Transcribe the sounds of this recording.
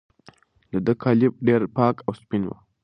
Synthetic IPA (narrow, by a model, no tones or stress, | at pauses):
ləd̪əkʰalɪb̚ɖeɾpɑːkawspinwə̰